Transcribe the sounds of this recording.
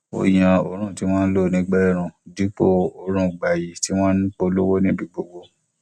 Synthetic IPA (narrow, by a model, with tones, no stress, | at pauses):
o̰˨j̃ã˨o˨ɾ̃ũ˦˨ti˦w̃ɔ̃ː˦n̩˦lo˦˨nĩ˦ɡ͡bɛ˦˨ɾ̃ũ˨di˨˦k͡po˦o˨ɾ̃ũ˦˨ɡ͡ba˨ji˨ti˨˦w̃ɔ̃˦n̩˦k͡po˧lo˦wo˦nĩ˦bi˧˨ɡ͡bo˨ɡ͡bo˧